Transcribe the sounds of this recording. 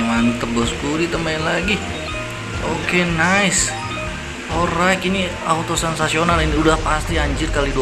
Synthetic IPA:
mant̪əbɔskuɾit̪əmainlaɡi | okenais | orakini | awt̪osɛnsasionaliniudahpast̪iaɲd͡ʒirkalidu

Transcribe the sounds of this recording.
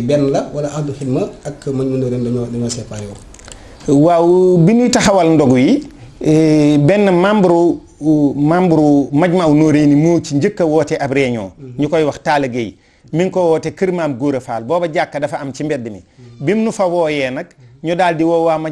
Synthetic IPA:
bɛnːlɐwalɐʔafduxidmɐakːmaɟmɐnoɾendɐɔdiɲɔːsɛpajɔ | wawubinujitɐxɐwɐlndɔɡuji | bɛnːɐmambuɾu | mambuɾumaɟmɐunoːɾeːnimot͡ʃiɲɟəkːɐwɔːtɛʔabɾɛːɲɔ̰ːɲukɔjwɐxtaːlɐɡej | miŋkɔwɔːtekəɾmaːmɡuːɾɐfa̰ːlbɔːbɐɟakːɐdɐfɐɐmt͡ʃimbɛt̚dimḭbimnufɐwɔːjɛnɐk̚ɲɔdaːldiwɔwaːma

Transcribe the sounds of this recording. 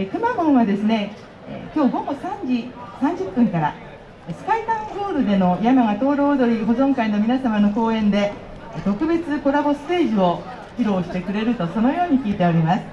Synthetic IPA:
kɯ̟mamõ̞ɰ̃βad̪e̞sɨne̞ | kʲo̞ːɡo̞ɡo̞sãɲd͡ʑisãɲ̟d͡ʑɨpːɯ̟̃ŋkaɾa̰ | sɨ̥kait̪ãŋɡo̞ːɾɯ̟d̪e̞no̞jamaŋat̪o̞ːɾo̞ːd̪o̞ɾʲiɦo̞zõ̞ŋkaino̞mʲinasamano̞ko̞ːẽ̞nd̪e̞ | t̪o̞kɯ̟be̞t͡sɨko̞ɾabo̞sɨ̥t̪e̞ːʑio̞ | çiɾo̞ːɕi̥t̪e̞kɯ̟ɾe̞ɾɯ̟t̪o̞so̞no̞jo̞ːɲ̟ikʲiːt̪e̞oɾʲimasɨ̥

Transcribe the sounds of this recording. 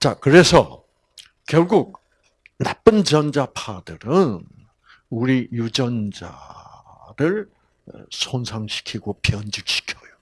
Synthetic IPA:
t͡ɕakɯɾe̞sʰʌ̰ | kjʌɭɡuk̚ | nap͈ɯnt͡ɕʌnd͡ʑapʰadɯɾɯn | uɾijud͡ʑʌnd͡ʑa̰ | dɯɭ̰ | sʰonsʰaŋɕʰi̥kʰiɡopjʌnd͡ʑik̚ɕʰi̥kʰjʌjo

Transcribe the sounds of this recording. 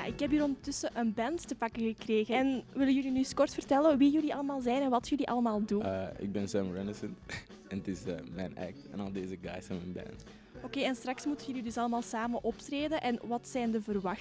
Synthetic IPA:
ja̰ʔɪkɦɛp̬iːɾɔndətʏsəʔənbɛnttəpɑkəɣəkreːɣəɛnʋɪləjylinyskɔrtfərtɛləʋijɵliʔɑləmaːlˠzɛːjnɛnʋɑtjɵliʔɑ̰ləmaːlˠduɪ̰ɡ̚bɛnsomɹɛnəsə̃nt | ɛ̃nətɪsəmɛ̰ɪnæ̰k̚tɛ̰̃nɔlˠdeːzəɡa̰jsɛmɛnbɛ̰̃nt | okeːɛnstrɑksmutəɣjəlidɵsɑləmaːlˠsaːmənʔɔptreːdənʔɛnʋɑtsɛːndəvərʋɑx

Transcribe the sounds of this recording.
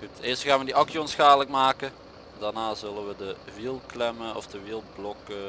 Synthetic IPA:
xutɪːɹstxaːnʋədiʔɑkjɔnsxaːələkmaːkə | daɹnaːzɵlənʋədəʋilˠklɛməɔ̰fdəʋilˠblɔk

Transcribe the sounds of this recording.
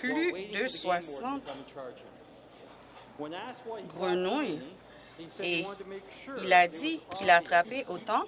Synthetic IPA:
plyd̪əswasɑ̃t̪ | ɡʁənuj | e | ilad̪ikʰilaːt̪χapeʔot̪ɑ̃

